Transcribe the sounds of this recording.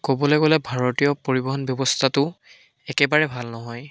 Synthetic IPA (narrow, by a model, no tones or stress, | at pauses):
kobɔlɛɡolɛbʱaɹotijɔpoɹibɔɦɔnbjɔbɔstʰatʊ | ɛkɛbaɹɛbʱalnɔɦɔj